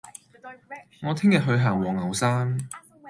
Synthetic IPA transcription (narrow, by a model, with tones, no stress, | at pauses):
ŋɔː˨˧t̪ʰɪ˥ŋjɐ˨ɦɵ˧ɥɦaː˨˩ŋwɔː˨˩ŋːɐ˨˩wsaː˥ŋ